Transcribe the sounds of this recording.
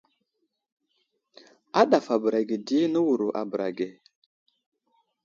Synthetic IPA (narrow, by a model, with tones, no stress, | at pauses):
a˦ɗa˨fa˨bə˨ɾa˨ɡi˨di˦nə˦wu˨ɾu˨ʔa̰˨bə˨ɾa̰˨ɡe˨